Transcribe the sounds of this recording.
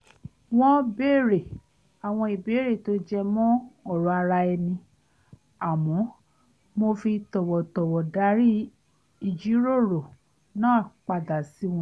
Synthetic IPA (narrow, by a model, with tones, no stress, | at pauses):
w̃ɔ̃˦be˦˨ɾe˨ | a˨w̃ɔ̃˧i˨be˨˦ɾe˦˨to˨˦d͡ʒɛ˧mɔ̃˦ɔ˦˨ɾɔ˧a˧ɾa˧ɛ˧nĩ˧ | a˨mɔ̃˨˦ | mo˧fi˧tɔ˨wɔ˨tɔ˨wɔ˨da˨˦ɾi˦ | i˧˨d͡ʒi˨˦ɾo˦˨ɾo˨ | nãː˦˨k͡pa˨da˨si˨˦w̃ɔ̃˧˦